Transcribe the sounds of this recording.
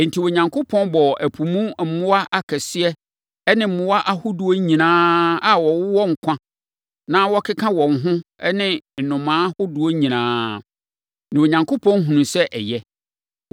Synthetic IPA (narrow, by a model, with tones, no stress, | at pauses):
n̩˨tʰi˨wo˨ɲã˨ŋkʰʊ˦pʰɔ̃˦nbɔ˨æ˨pʰu˨mũ˦m̩˨˦mʊ̃˦wa˦ʔa˨kʰɛ˨sɪ˦ɛ˦ | ɛ˦nɪ̃˨m̩˨mʊ̃˦wa˦ʔa˦hʊ˦du˨o˦ɲĩ˨nãː˦a˨wɔ˨wʊ˦wɔ̃˦ŋ̩˨kʷʰã˦ | nãː˦wɔ˦kʰɪ˦kʰã˦wɔ̃˨ŋ̩˨ɦʊ̃˦ɛ˦nɪ̃˦n̩˨nʊ̃˨mãː˨˦hʊ˦du˨˦o˦ɲĩ˨nãː˦ | nɪ̃˨o˨ɲã˨ŋkʰo˦pʰɔ̃˦n˦ɦũ˨nũ˨sɛ˦ʔɛ̰˨jɛ˦